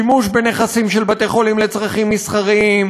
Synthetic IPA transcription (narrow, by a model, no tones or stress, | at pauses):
imuʃbeneχasimʃelbat̪eχolimlet͡sʁaχimːisχaʁim